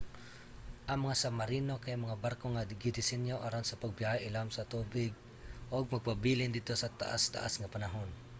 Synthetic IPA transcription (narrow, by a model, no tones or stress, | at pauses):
ʔɐŋmɐŋasamɐɾiːnokajŋmɐŋabaɾkoŋaɡɪd̪ɪsɪnjoʔaɾonsɐpaɡ̚bɪajʔɪlamsɐt̪uːbɪɡ̚ | ʔoɡ̚mɐɡ̚pabiːlɪnd̪ɪd̪̚t̪o̞sɐt̪a̰ʔa̰st̪a̰ʔa̰sŋɐpɐnɐɦon